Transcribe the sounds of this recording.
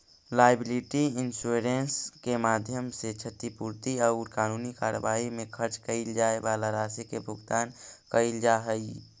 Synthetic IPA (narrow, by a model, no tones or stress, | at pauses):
laːɪbɪlɪʈiɪnsuɾenskemaːd̪ʱjəmset͡ʃʰət̪ipuːɾt̪iɔʊɾkaːnuːnikaːɾə̰ʋaːimẽkʰəɾt͡ʃkəɪld͡ʒaːebaːlaɾaːsikebʱʊɡt̪aːnkəild͡ʒaɦəi